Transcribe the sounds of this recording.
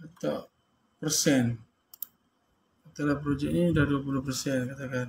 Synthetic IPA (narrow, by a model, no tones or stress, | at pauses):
at̪aʔ | pərsɛn | at̪alahpɾod͡ʒɛk̚niudahduapulʊhpərsɛnkat̪akan